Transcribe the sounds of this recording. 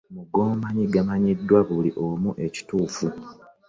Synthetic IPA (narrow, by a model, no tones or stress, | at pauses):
muɡoːmaɲiɡamaɲidːwaβuliʔomuʔe̞ci̥tuːfu